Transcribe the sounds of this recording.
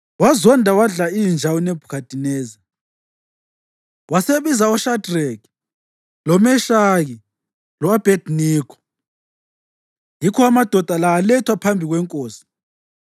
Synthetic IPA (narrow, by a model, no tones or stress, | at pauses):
wazɔndʱawaɮaijind͡ʒʱawɔnɛb̥ʱukʰatʼinɛːzi | waseβizaɔʃadrɛk | lɔmɛʃaɣi | lɔab̥ʱedniːkʰɔ̥ | jikʰɔamad̥ʱɔd̥ʱalaːlɛtʰwapʰambʱiɣwɛŋkʼoːsi̥